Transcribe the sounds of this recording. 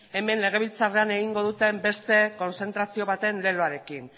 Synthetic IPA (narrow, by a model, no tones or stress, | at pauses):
e̞me̞nle̞ɣ̞e̞β̞ilt͡sare̞ane̞ɣ̞iŋɡo̞ðut̪e̞mbe̞st̪e̞ko̞nse̞nt̪ɾasio̞βat̪e̞nle̞loaɾe̞kin